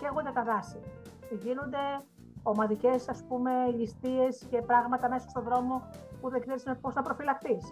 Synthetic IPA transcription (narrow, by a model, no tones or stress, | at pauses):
ceɣund̪et̪ɐðɐsiʝinund̪e̞ | o̞mɐðice̞sɐspume̞list̪ie̞sce̞pɾɐɣmɐt̪ɐme̞sɐ̥st̪o̞ðɾo̞mo̞puðeɡseɾisinepo̞sθɐpɾo̞filɐkθis